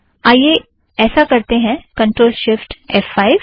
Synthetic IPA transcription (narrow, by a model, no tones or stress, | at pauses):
aːje | ɛːsakɐɾt̪eɦɛ̃kɐ̃ɳʈɾoːlʃɪfʈɛfːaːɪʋ